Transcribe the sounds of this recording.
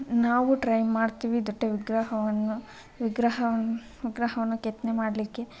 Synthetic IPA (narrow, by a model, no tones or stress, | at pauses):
naːʋuʈɾɐjmaːɖt̪iːʋid̪ɔʈːeʋiɡɾaɦɐʋɐnːu | ʋiɡɾɐɦɐ | ʋiɡɾɐɦɐʋɐnːuket̪nemaːɽlikːe̞